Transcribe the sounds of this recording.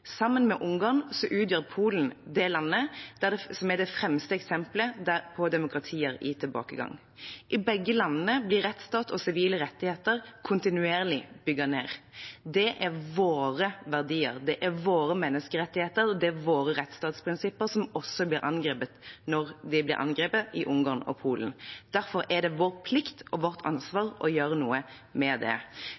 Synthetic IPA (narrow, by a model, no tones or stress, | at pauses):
sɑmːənmɛʔʊŋɡɑːʁnsɔʔʉːt̪jøːɾpʰuːln̩d̪ɛlɑnːəd̪̥æd̪ɛsɔmæd̪ɛfɾɛmst̪əɛksɛmpləd̪æpʰɔd̪ɛmʊkɾɑt̪ʰiːəɾɪ̰t̪ʰɪlbɑ̰ːkəɡɑ̰ŋ | ʔɪbɛɡːəlɑnːəblɪɾɛt̪st̪ɑːt̪ɔsɪʋiːləɾɛt̪ːɪheːt̪əʁkʰʊnt̪ɪnʉeːʁlɪb̥ʏɡəneːɾd̪ɛʔæɾʋoːɾəʋæʁd̪iːəɾd̪ɛʔæɾʋoːɾəmɛnːəskəɾɛt̪ːɪheːt̪əɾɔd̪ɛæʋoːɾəɾʁɛt̪st̪ɑːt̪spʰɾɪnsɪpːəɾsɔmɔsɔblɪːɾʔɑ̰nɡɾeːpət̪nɔʁd̪ɪblɪ̰ɾʔɑ̰nɡɾeːpəɪʔʊŋɡɑːnɔ̰pʰuːlənd̪̥æɾfɔɾɛd̪ɛʋoːʁpʰlɪkt̪ɔʋɔʁt̪ʰɑ̰nsʋɑːɾɔjøːɾənuːə | mɛd̪ɛ̰